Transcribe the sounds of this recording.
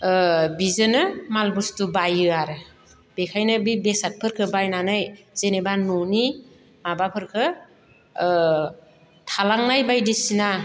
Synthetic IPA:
bizɯnɯmalbustubajɯaɾɯ | b̥ekʰajnɯbibesat̚pʰɯɾkʰɯbajnanɯj | z̥enebanoni | mabapʰɯɾkʰɯ | tʰalaŋnajbajdisina

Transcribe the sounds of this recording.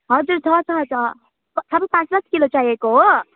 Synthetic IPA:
ɦʌd͡zuɾt͡sʰʌt͡sʰʌt͡sʰʌ | sʰabpãt͡slʌskilot͡ʃajeko

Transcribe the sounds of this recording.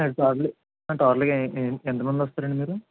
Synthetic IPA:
eɽʈaːɾli | ɐʈaːɾlkent̪ɐmɐnd̪iʋɐst̪aːɾɐɳɖimiːɾu

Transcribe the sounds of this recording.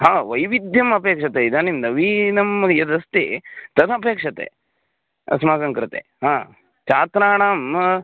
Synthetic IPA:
ɦaːʋɐjʋid̪ʱjɐmɐpeːkʂɐt̪eid̪animnɐʋiːnɐmɐjɐd̪ɐst̪ḭt̪ɐt̪ʰɐpeːkʂɐt̪ḛ | ɐ̰smaːsɐŋkɾɨt̪ḛɦaː | t͡ʃaːt̪ɾaːɳaːm

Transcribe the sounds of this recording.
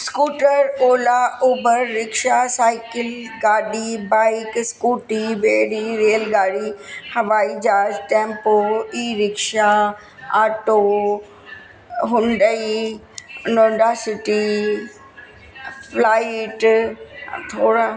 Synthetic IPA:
skuːʈəɾoːlauːbəɾːɪkʃasaːɪkɪl | ɡaːɗibaːɪkskuːʈibeːɾiɾeːlɡaːɽihɐʋaːid͡ʑaːd͡ʑʈẽːmpoiːɾɪkʃa | aːʈo | ɦʊ̃ɳɖəi | nõɖaːsɪʈi | plaːɪʈ | t̪ʰoːɽa

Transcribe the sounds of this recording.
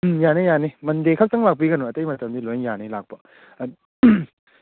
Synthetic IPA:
janejanimɐndekʰɐk̚tɐŋlak̚piɡɐnoɐtɐjmɐtɐmdilojŋjanilak̚pɐ

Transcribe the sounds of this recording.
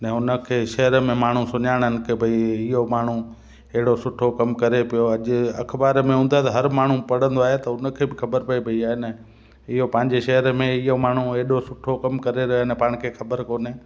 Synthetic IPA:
nɛ̃ʊnə̆kʰeːʃɐɦəɾəmẽmaːɳ̤ũsʊɲaːɪɽ̃ənɪ̆kɪbʱɐiɪɦomaːɳ̤ũ | ɐɦɪɽosʊʈʰokɐmkɐɾepijoɐʄʊ̆ɐ̰kʰbaːɾmẽɦũːn̆d̪at̪ɐɦɐɾmaːɳ̤ũpɐɽ̤ə̃nd̪oaːɦet̪ɐʊnə̆kʰeːbɪxʰɐbəɾpɐipɐiaːɦenɐ | ɪɦopɐ̃ɦɪ̃ɲd͡ʑeʃɐɦəɾmẽɪɦomaːɳ̤ũeɦɗosʊʈʰokɐmkɐɾeɾɐnɛpaːɽ̃ɪ̆kʰeːxʰɐbəɾkoːnɪ

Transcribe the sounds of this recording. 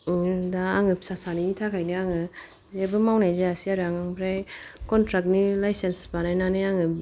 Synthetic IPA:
daːŋɯp̚sasanitʰakʰajniaŋɯ | zebɯmawnajzeasiaɾaŋaŋbʰɾajkɔntɾak̚nilajsensbanajnanɯaŋɯ

